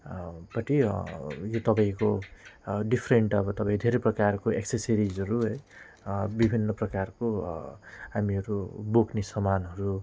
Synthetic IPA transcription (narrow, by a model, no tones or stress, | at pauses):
pʌʈi | jot̪ʌpaĩko | ɖipʰreɳʈʌbʌt̪ʌpaĩd̪ʱeɾʌprʌkarkoekseseɾid͡zʌɾuɦʌj | bibʱinːʌprʌkarko | ɦamiʌɾuboknesʌmanɦʌɾu